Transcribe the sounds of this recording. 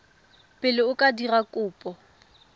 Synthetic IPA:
pʼɪlɪʊkʼadirakʼʊːpʼɔ

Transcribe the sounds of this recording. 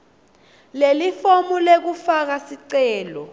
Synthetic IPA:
lelifomulek̬ufak̬asiǀɛːlɔ

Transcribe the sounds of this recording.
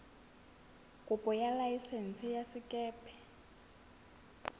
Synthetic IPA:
kʼupʼɔjalajisɛnt͡sʼijasikʼɛːpʰɛ̥

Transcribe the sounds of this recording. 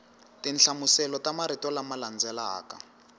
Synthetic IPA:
tinɬamusɛlɔtamaɾitɔlamaland͡zɛlaːka̰

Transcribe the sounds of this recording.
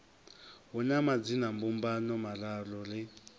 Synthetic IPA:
ɦɔnamad͡zinambumbanɔmalalɔlɪ

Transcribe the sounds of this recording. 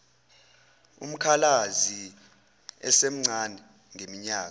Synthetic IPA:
ṵm̩kʰalazi | ɛ̰sem̩ŋ͡ǀʱanɛ | ŋemiɲaːk

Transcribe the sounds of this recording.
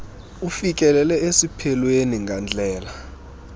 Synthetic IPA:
ufik̬ʼɛlɛlɛesipʰɛlweniŋʱand͡ɮʱɛːla

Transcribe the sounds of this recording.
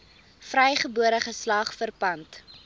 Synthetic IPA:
frɛjχəbuəɾəχəslɑːχfərpɐnt

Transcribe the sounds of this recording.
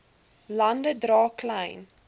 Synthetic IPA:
lɐndədrɑːklɛjn

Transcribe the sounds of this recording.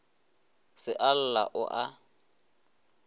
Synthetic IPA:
sɪʔal̩la̰ʔʊ̰ʔa

